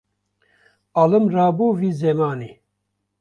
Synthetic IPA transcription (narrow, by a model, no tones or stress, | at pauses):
aːlɨmraːbuːviːzɛmaːni